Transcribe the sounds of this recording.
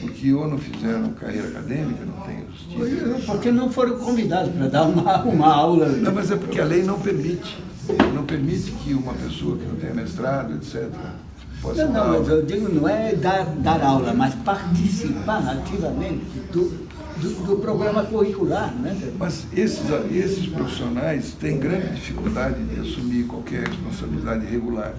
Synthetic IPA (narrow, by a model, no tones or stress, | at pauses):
poɾkɪonɐ̃w̃fizɛɾɐ̃ka̰hḛjɾɐaka̰d̪ẽmikɐnɐ̰̃w̃t̪ḛ̃j̃ɐ̰ʒust͡ʃiɐ̃poɾkenɐ̃w̃foɾɐ̃w̃kõvid̪ad̪ʊspɾɐd̪aɾumɐũmɐawlɐnɐ̃w̃mɐzɛpoɾkɪalejnɐ̃w̃peɾmit͡ʃɪ̥ | nɐ̃w̃peɾmit͡ʃɪ̥kɪũmɐpesoɐkɪnɐ̃t̪ẽj̃ɐ̰mest̪ɾad̪ʊḛt̪sɛt̪eɾɐ̰ | pɔsɐ̃nɐ̃mɐzed͡ʒ̪iɡʊnɐ̃w̃ɛd̪aɾd̪aɾawlɐmɐspaɾt̪isipaɾat̪ivɐmẽnt̪ɪd̪ʊ | d̪ʊd̪ʊpɾoɡɾɐ̃mɐkuhikulaɾnwɛmɐz | esɪzaesɪspɾofi̥sionajst̪ẽj̃ɡɾɐ̃nd͡ʒɪd͡ʒifikuld̪ad͡ʒɪd̪ɪa̰sumiɾkwawkɛɾhespõsabilid̪ad͡ʒ̪ɪheɡula̰ɾ